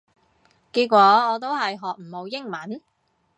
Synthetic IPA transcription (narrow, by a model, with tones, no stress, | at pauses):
kiː˧t̚kʷɔː˨˥ɔː˨˧t̪̬o˥wɦɐ˨jɦɔː˨k̚m̩˨˩mo˨˧wjɪ˥ŋmɐ˨˥n